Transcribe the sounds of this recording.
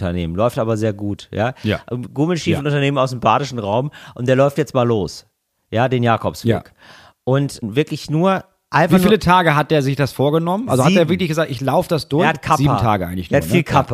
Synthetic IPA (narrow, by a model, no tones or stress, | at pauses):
tɐnḛːmənlɔʏftʔaːbɐzeːɐɡuːtja̰ːj̰ʔɡuːml̩ʃiːfʊntʔʊntɐneːmənaʊs̬nembaːɾɪʃn̩ʁaʊmʔʊntd̥eːɐlɔʏftjɛt͡stmaːlːoːs | jaːdeːnjaːkʰɔpsv̥ɪ̰k | ʔʊntvɪɐklɪçnuːɐ | ʔaɪnfvafːlətʰaːɡəɦat̚d̥eːɐzɪçd̥asfoːɐɡənɔmənʔa̰lzohateːɐvɪɐklɪçɡəzaːk̚tɪçlaʊfədasd̥ʊɐːɐhat̚kʰaziːmtʰa̰ːɡəʔa̰ɪŋlɪçeɐafiːlkʰap